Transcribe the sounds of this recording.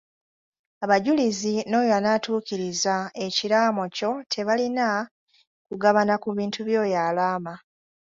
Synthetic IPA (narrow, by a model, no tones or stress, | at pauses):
aβaɟulizino̞ːjoanatuːciɾizae̞ciɾaːmo̞co̞tʰe̞βalina | kuɡaβanakuβiːntʰuβjo̞ːjaːlaːma